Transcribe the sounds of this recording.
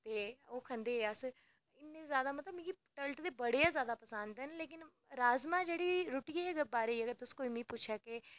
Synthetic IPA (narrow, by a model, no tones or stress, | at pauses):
t̪eːoːkʰə̃nd̪eːas | ɪnːẽːzjaːd̪amət̪ləbmĩɡiʈəlʈd̪eːbəɽeazjaːd̪aːpəsə̃nd̪ɦɛnleːk̬ɪn | ɾaːzmaːd͡ʒeːɽiːɾʊʈiːeɡəbaːɾeiəɡəɾt̪ʊskoːiːmĩːpʊt͡ʃʰake